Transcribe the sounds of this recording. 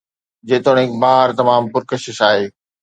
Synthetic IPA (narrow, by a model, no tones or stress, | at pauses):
d͡ʑeːt̪oːɽ̤̃ẽkbaːɾt̪ɐmaːmpʊɾkɐɕɪʃaːɦeː